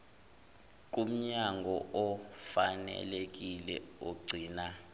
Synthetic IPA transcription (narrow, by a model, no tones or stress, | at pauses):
k̬ʼum̩ɲaŋɡʱɔʔɔfanɛ̰lek̬ʼilɛ̰oɡ͡ǀʱiːna